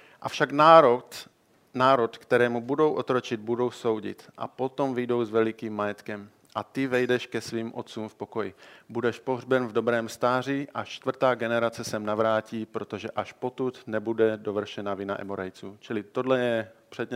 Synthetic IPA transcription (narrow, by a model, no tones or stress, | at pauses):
ʔafʃaɡnaɾot̪ | naːɾot̪kt̪ɛɾɛːmubudo̞wʔot̪ɾot͡ʃɪd̪̚budo̞wso̞wɟɪ̰t̪ʔa̰po̞t̪o̞mvɪjdo̞wzvɛlɪkiːmːajɛt̪kɛm | ʔat̪ɪvɛjdɛʃkɛsviːmʔot̪t͡suːmfpo̞ko̞jɪbudɛʃpoɦrbɛnvdo̞bɾɛːmst̪aːr̝iʔat͡ʃt̪vrt̪aːɡɛnɛɾat͡sɛsɛmnavɾaːciːpɾo̞t̪o̞ʒɛʔaʃpo̞t̪ut̪nɛbudɛdovr̩ʃɛnavɪna̰ʔɛ̰moɾajt͡suːt͡ʃɪlɪt̪o̞dlɛjɛpr̥ɛd̪ɲɛ